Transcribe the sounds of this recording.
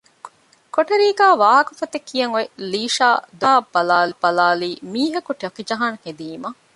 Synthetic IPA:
koʈɐɾiːɡæːʋaːɦɐkɐfɐt̪ekʰːijɐŋoeliːʃaːd̪aːb̥ɐlaːlib̥ɐlaːliːmiːɦɐkuʈɐkid͡ʒɐɦaŋhed̪iːmɐ

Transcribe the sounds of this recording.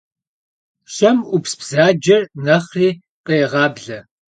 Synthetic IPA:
ʃɐmʊpsbz̥aːd͡ʒɐrnɐχiː | qeːʁɑːbɮɐ

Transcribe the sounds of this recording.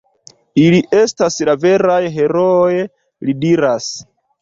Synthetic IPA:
iliʔe̞staslave̞ɾajɦe̞ɾo̞j | lidiɾas

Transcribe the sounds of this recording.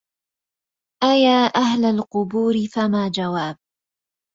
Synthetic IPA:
ʔajaːʔahlalqʊbuːɾɪfamaːd͡ʒawaːb̚

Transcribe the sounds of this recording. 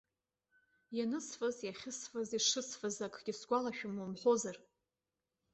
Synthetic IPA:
janɨsfazjaχʲɪsfaziʂɨsfazakʰʼɡ̥ʲɪsɡʷalaʃᶣʊmomħʷozar

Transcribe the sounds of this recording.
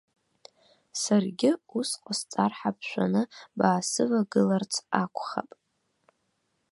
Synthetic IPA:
sarɡʲɪusqʷʼast͡sʼarħap̚ʰʃʷa̰nɨbaːsɨvaɡɨlart͡sʰakʷʰʼχa̰pʼ

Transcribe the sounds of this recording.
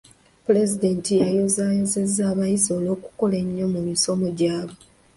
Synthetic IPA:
pule̞zide̞ntijajozaːjo̞ze̞zːaːβajizo̞ːlo̞ːku̥ko̞le̞ɲːo̞mumiso̞mo̞ɟaːβo

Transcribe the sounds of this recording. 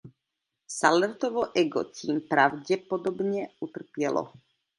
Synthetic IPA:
salərt̪oʋoʔɛɡot̪ʲimpɾaʋd͡ʑɛpod̪obɲɛut̪r̩pjɛlʔo̰

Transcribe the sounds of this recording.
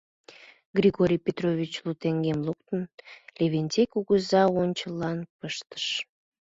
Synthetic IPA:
ɡrʲiɣoɾʲijpʲet̪rovʲit͡ɕlut̪eŋɡemlukt̪ənlʲeβenʲt̪ʲekuɣəzɑonʲt͡ɕəlɑnpəʃt̪ə̥ʃ

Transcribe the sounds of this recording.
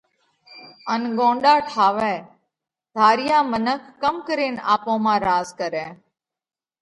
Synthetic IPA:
ənɡõːɳɗaːʈʰaːʋɛː | d̪ʱaːɾɪjãːmənəkʰːəmkəɾeːnaːpõːmãːɾaːzkəɾɛ̃ː

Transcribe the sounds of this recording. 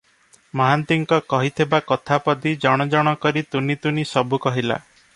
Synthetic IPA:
mɔɦant̪iŋkɔkɔɦit̪ʰibakɔt̪ʰapɔd̪id͡ʒɔɽ̃ɔd͡ʒɔɽ̃ɔkɔɾit̪unit̪unisɔbukɔɦila̰

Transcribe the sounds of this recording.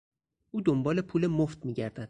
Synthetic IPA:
ʔuːd̪ombɒːlepʰuːle̞moft̪̚miːɟæɾd̪æd̪̥̚

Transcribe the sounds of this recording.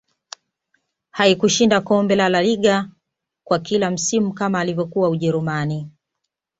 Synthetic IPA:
haikuʃindakɔmbɛlalaliɠa | kwakilam̩simukamaːlivjɔkuauʄɛɾumani

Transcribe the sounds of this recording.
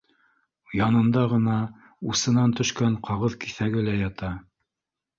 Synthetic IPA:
jɑnɤ̆nd̪ɑʁɤ̆nɑ | usɤ̆nɑnt̪ɵ̆ʃkæɴqɑʁɤðkiθæɡɘlæjɑt̪ɑ

